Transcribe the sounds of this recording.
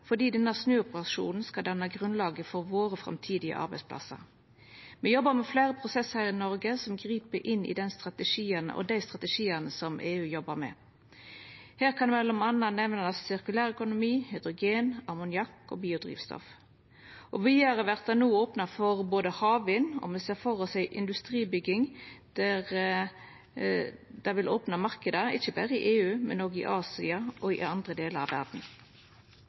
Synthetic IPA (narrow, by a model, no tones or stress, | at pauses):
fɔd̪iːd̪ɛnːəsnøːʊpəʁɑʂṵːnn̩skɑd̪ɑnːɑɡʁʉnlɑːɡəfɔʁʋoːʁəfʁɑ̰mt̪ʰiːd̪ɪə̰ʔɑ̰ʁbɛɪspʰlɑ̰sə̰ʁ | mɛjɔbːəmɛfleːʁəpʰʁʊsɛshɑɾɪnɔʁɡəsɔmɡʁiːpəʔɪnːʔɪ̰d̪ɛnst̪ʁɑt̪əʂiːənə̰ʔɔ̰d̪æɪst̪ʁɑt̪əʂiːɑnəsɔmʔeːʉːjɔbːəʁmɛ̰ | hæːʁkʰɑnmɛlːɔmɑnɑnɛʋnɑsɪʁkʉlæːʁœkʊnʊmiːhʏd̪ʁʊɡeːnɑʁmʊnɪjɑkːɔ̰ːbiːʊd̪ʁḭːʋst̪ɔ̰f | ʔɔʋiɑɾəʋæʁt̪̚ɑnuːoːpnɑfɔʁboːd̪əhɑːʋʋɪːnːɔ̰mɛseːʁfɔʁɔsæɪʔɪnd̪ʉst̪ʁiːbʏɡɪŋd̪̥æʁ | d̪̥ɑʋɪloːpnɑmɑʁkəd̪əɪçːəbæːɾəɪʔeːʉːmɛ̰noːɡɪ̰ʔɑːsɪɑɔɪ̰ɑnd̪ʁəd̪eːləɾɑ̰ʋːæ̰ʁd̪n̩